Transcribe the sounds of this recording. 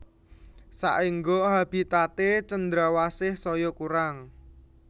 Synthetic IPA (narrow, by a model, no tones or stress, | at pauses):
sa̰ʔiŋɡoɦab̥i̤t̪at̪et͡ʃənd̪ɾawasɪhsɔjɔkuɾaŋ